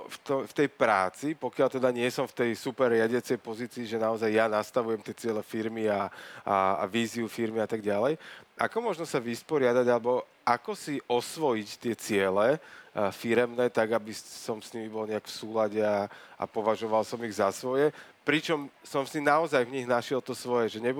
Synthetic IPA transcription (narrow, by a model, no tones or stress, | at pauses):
ft̪ɔft̪ɛjpɾa̰ːt͡sipɔkɪalt̪ɛd̪aɲɪɛsɔmft̪ɛjsupɛɾːɪaɟɪat͡sɛjpɔziːt͡siːʒɛnaɔzajːanast̪aʋujɛmt̪ɪɛt͡sɪɛlɛfiɾmiaa̰a̰ʋiːziufiɾmiat̪aɡɟalɛjʔa̰kɔmʊɔʒnɔsaʋispɔɾɪad̪aɟalɛbɔ | akɔsiʔɔsʋɔjict̪ɪɛt͡sɪɛlɛfiɾɛmnɛːt̪aɡabisɔmsɲimibɔlɲɛakfsuːlaɟɛaʔa̰pɔʋaʒɔʋalsɔmiɣzasʋɔjɛpɾit͡ʃɔmsɔmsinaɔzajvɲiɣnaʃɪɛlt̪ɔsʋɔjɛʒɛɲɛb